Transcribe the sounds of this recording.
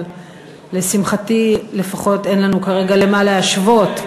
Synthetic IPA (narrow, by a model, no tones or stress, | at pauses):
lesimχatile̞faχo̞te̞nlanukaʁe̞ɡale̞malaaʃvo̞t